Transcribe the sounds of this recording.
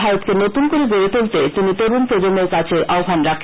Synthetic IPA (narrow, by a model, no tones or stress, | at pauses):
bʱaɾot̪kenot̪unkoɾeɡoɾet̪ult̪et̪init̪oɾunpɾod͡ʑomeɾkat͡ɕʰeʔʔaobʱanɾakʰ